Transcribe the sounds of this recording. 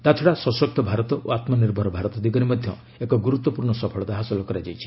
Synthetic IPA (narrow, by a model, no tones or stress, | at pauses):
t̪at͡ʃʰɔɽasɔsɔk̚t̪ʰɔbʱaɾɔt̪ɔʔoat̪mɔniɾbʱɔɾɔbʱaɾɔt̪ɔd̪iɡɔɾimɔd̪ʱjɔ | ekɔɡuɾut̪ːɔpuɾɳɔsɔpʰɔɭɔd̪aɦasɔlɔkɔɾad͡ʒajt͡ʃʰi̥